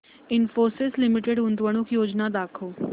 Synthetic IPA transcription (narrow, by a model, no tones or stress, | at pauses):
ɪnfoːɾsɪslɪmɪʈeɽɦũnd̪ʋəɽ̃ukjoːd͡ʒnad̪aːkʰo